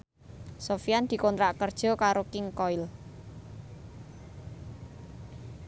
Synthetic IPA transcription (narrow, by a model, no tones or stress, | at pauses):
sofijand̪̥i̤kɔnt̪ɾaʔkərd̥ʒ̥ɔ̤kaɾokɪŋkɔil